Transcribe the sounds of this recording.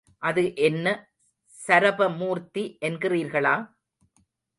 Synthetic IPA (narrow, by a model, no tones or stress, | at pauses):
ʔɐðɯʔɛnːɐ | sɐɾɐbɐmuːɾt̪iʔɛnɡɪriːɾɣɐɭaː